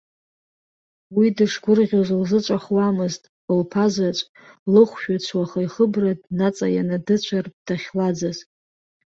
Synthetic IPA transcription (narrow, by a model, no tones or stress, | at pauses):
widɨʂɡʷʊrʁʲozlzɨt͡ʃʷʼaχwamɨztʼ | ɨlpʰazat͡ʃʷʼ | lɨχʷʃᶣat͡ɕʷʰwaχajχəbradnat͡sʼajanadɨt͡ɕʷʰardaχʲlad͡zaz